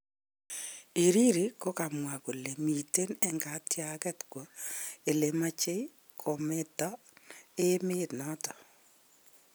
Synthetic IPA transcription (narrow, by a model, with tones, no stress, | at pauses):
i˨ɾi˦ɾi˨ko˦ka˨mwa˨ko˨le˨mi˨te˦nɛ˦ŋɡa˨˦tja˦kɛ˦tkwo˨˦e˨le˨ma˦t͡ʃe˦i˦ | kʰo˨me˦tɔ˦ | e˦mɪ˦tnɔ˦tɔ̥˨